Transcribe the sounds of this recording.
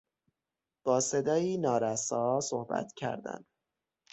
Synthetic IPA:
b̥ɒːse̞d̪ɒːjiːnɒːɾæsɒːsohbæ̰t̪cʰæ̰ɾd̪æ̰n

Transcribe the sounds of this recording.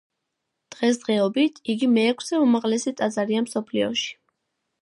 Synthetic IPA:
d̪̥ʁɛs̬d̪ʁɛɔbit̪ʰiɡimɛːkʷʰsɛumaʁlɛsit̪ʼazaɾiamsɔpʰliɔ̰ʃi̥

